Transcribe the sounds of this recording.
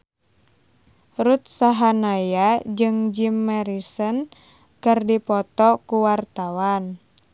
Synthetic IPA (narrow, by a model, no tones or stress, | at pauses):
rut̪̚saɦanajad͡ʒɨŋd͡ʒimːɛɾisən | kɨrdipɔt̪ɔkuwart̪awan